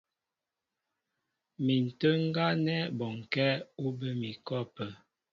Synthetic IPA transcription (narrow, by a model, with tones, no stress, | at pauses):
mi˨n̩˨tə˦ŋ˦ɡa˦nɛ˦bɔ˨ŋ˨kɛ˦o˦bə˦mi˨kɔ˦pə˨